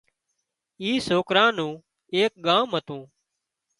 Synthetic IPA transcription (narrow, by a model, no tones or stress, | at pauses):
iːsoːkɾãːnũː | eːk̚ɠaːmɦət̪ũː